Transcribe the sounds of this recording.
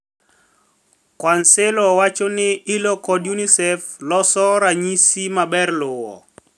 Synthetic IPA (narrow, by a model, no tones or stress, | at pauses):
kwansɪlɔwat͡ʃonɪɪlɔkɔdjunisɛflɔsɔɾaɲisimabɛrlʊwɔ̰